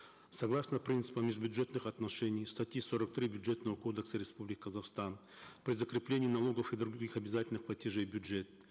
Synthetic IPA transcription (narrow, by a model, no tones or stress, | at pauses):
sɐɡlˠasnəpɾʲint̪ɨ̥pəmːʲɪʐbʲʊʐɛt̪nɨxɐt̪nɐʂɛnʲɪjst̪ɐtʲiso̞ɾək̚t̪ɾʲibʲʊdʐet̪nəvəko̞d̪əksəɾʲɪspublʲɪkʲɪkəzɐfst̪an | pɾʲɪzəkɾʲɪplʲenʲɪːnɐlˠo̞ɡəfid̪ɾʊɡʲɡʲixɐbʲɪzatʲɪlʲnɨxplˠɐtʲɪʐejbʲʊdʐɛt̪̚